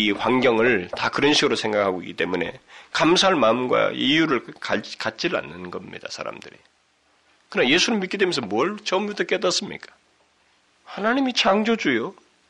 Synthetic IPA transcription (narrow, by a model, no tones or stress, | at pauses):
iɸwaŋɡjʌŋɯɭtakɯɾʌnɕʰiɡɯɾosʰe̞ŋɡakʰaɡoik͈ːi̥t͈emune̞̰kamsʰaɦːɭmaɯmɡwa̰ijuɾɯɭkakat̚t͡ɕ͈iɾa̰nːɯnɡʌmɲḭd̥a̰sʰa̰ɾa̰md̥ɯɾḭ | kɯnaje̞sʰunɯɭmitk͈ide̞mjensʰʌmwʌɭt͡ɕʌmudʌk͈edats͈ɯmɲḭk͈ḁ | hanaɲimit͡ɕʰaŋd͡ʑod͡ʑujo